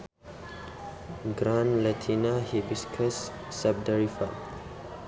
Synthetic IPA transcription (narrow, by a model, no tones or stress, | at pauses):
ɡɾãnlat̪ʰinahibiskʰəsː | ab̚dəɹifa